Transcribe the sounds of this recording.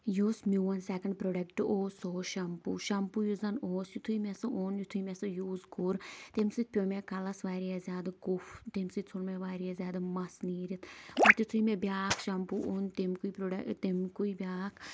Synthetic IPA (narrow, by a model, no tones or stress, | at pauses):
jusmʲiʋɐnsekɐɳɖpɾoːɖɐkʈɨoːsoːʃɐmpṵːʃɐmpujuzɐnoːsjut̪ʰuimʲesɨʔonjut̪ʰuimesɨjuːzkʊɾt̪emsit̪̚pʲjoːmekɐlɐsʋaːɾiazjaːd̪ɡʊft̪emsit͡sʰonmeʋaːɾiazʲaːd̪ɨmɐsniːɾit̪ʰbɐt̪jut̪ʰuimẽbjaːkʰʃɐmpuʔont̪emkuipɾoɖɐt̪emkuibʲaːkʰ